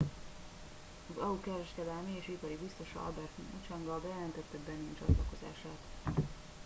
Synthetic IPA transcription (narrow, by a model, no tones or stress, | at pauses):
ɒzɒukɛɾɛʃkɛd̪ɛlmieːʃipɒɾibist̪o̞ʃɒ̰ɒ̰lbɛrt̪ʔot͡ʃaŋɡɒbɛjɛlɛnt̪ɛt̪ːɛbɛnːiːnt͡ʃɒ̰t̪lɒko̞za̰ːʃaːt̪